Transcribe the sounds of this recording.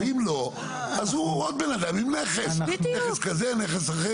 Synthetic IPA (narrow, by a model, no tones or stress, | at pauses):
imlo̞ | azhuod̪̚benad̪amimneχeseeskazeneχesaχe